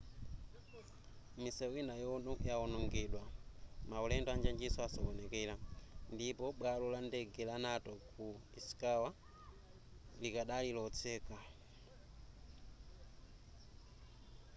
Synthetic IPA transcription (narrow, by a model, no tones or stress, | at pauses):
misɛwinajɔnɔjaɔnɔŋɡiɗwamaulɛndɔand͡ʒand͡ʒisɔasɔɓɔnɛkɛlandipɔɓwalɔlandɛɡɛlanatɔkuisi̥kawa | likaɗalilɔt͡sɛːka